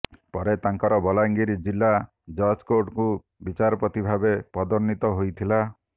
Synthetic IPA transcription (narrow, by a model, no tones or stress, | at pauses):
pɔɾet̪aŋkɔɾɔbɔlaŋɡiɾid͡ʒilːa | d͡ʒɔskoɖku | bit͡ʃaɾɔpɔt̪ibʱabepɔd̪ɔɾnit̪ɔɦojt̪ʰila